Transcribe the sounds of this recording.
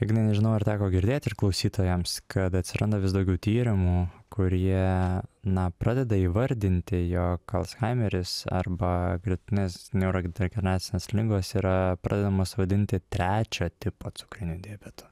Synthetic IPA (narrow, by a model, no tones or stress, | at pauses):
jɛɡʲɪnɐɪnʲɛʒʲɪnɐʊɐɾt̪ʲæːkoːɡʲɪɾʲd̪ʲeːt̪ʲɪrklˠɒʊsʲiːt̪oːjɛmskʰɐt̪ɐt̪ʲsʲɪɾɐnd̪oʋʲɪsd̪ɐʊɡʲɛʊt̪ʲiːɾʲɪmukʊɾʲiɛnɐpɾɑːd̪ʲɛd̪ɐiːʋɐɾʲd̪ʲɪnʲt̪ʲɪjɔkɐ̰lˠsxɑɪmʲɛɾʲɪsɐ̰rbɐɡɾʲɪt̪ʲɪnʲeːsnʲɛʊɾoɡʲɛɡʲɾnɑːt̪sʲɪnʲeːslʲɪŋɡoːsiːɾɐpɾɑːd̪ʲɛd̪ɐmoːsʋɐd̪ʲɪnʲt̪ʲɪt̪ʲɾʲæːt͡ʃʲoːt̪ʲɪpoːt̪sʊ̥kɾʲɪnʲud̪ʲeːbʲɛt̪ʊ̥